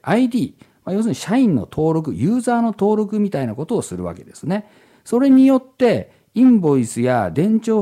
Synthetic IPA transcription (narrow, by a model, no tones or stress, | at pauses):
ʔaid̪ʲiːmajo̞ːsɨɲ̟iɕaĩnːo̞̰t̪ʰo̞ːɾo̞k̬ɯ̟jɯːzaːno̞t̪o̞ːɾo̞kɯ̟mʲit̪ainako̞t̪o̞ːsɨɾɯ̟̰βa̰ke̞d̪e̞sɨne̞ | so̞ɾe̞ɲ̟ijo̞t̪ːe̞ | ĩmbo̞isɨjad̪ẽ̞ɲ̟t͡ɕo̞ː